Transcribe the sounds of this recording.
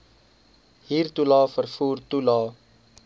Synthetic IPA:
ɦiːrtulɑːfərfuːrtulɑː

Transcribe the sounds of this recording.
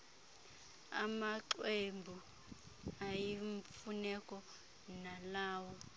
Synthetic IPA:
a̰maǃwembʱu | ajiɱfunɛkʼɔ | nalaːwɔ

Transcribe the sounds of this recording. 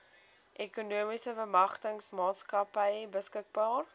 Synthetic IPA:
ʔekunuəmisəvəmɐχtəŋsmɑːtskɐpəjbəskək̚bɑːr

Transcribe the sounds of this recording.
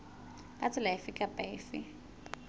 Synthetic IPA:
kʼat͡sʼɪlaɪfɪkʼapʼaɪfɪ

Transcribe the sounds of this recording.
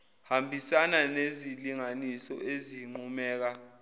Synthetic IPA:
hambʱisananeziliŋanisɔ̰ʔeziŋ͡ǃumɛːk̬a

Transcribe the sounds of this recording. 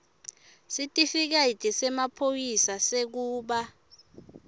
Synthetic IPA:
sitʼifik̬aitʼisɛmapʰojisasek̬uːɓa

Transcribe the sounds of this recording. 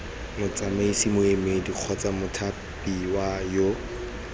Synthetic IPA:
mʊt͡samaisimʊemediq͡χʰɔt͡samʊtʰa | piwajo

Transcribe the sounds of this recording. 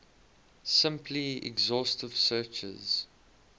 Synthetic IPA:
sɪ̃mpʰliɛ̰ɡzɔstəv̥sɜːt͡ʃə̰z̥

